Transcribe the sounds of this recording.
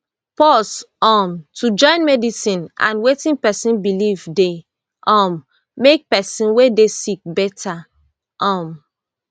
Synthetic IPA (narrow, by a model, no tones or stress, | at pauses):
pɔs | ɔ̃mtʰud͡ʒɔ̃ɪ̃nmɛdisĩnã̰nwetĩnpɛsĩnbilivde | ʔɔ̃mː | ek̚pɛsĩnwedesik̚bɛtʰa | ʔɔ̃m